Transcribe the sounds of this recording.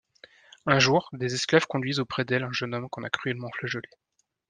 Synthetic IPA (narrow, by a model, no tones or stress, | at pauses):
ɛ̃ʒuʁd̪ezɛsklav̥kɔ̃d̪ɥizopχɛd̪ɛlɛ̃ʒənɔmkɔ̃nakχyɛlmɑ̃flaʒɔle